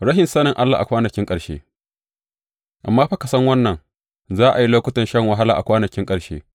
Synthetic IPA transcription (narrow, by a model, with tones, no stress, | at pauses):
ɾɐ˦ɦɪ˨nsɐ˦nɪ˨ŋʔa˦lːa̰ː˨ʔa̰˨kʷaː˦nɐ˨kʲɪ˦ŋkʼɐ˨ɽʃḛː˦ | ʔa̰˨mːaː˦ɸa˦ka˨sɐ˦ŋwɐ˦nːɐ˨ŋ | zaː˦ʔa˨ji˦loː˦kʊ˦tɐ˨nʃɐ˦ŋwɐ˨ɦa˦la̰ː˨ʔa̰˨kʷaː˦nɐ˨kʲɪ˦ŋkʼɐ˨ɽʃḛː˦